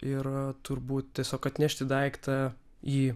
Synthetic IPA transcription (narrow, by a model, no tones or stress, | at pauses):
ɪɾt̪ʊɾbuːt̪tʲiɛsʲoːkɐt̪ʲnʲɛʃʲt̪ʲɪd̪ɐɪkt̪ɐ | iː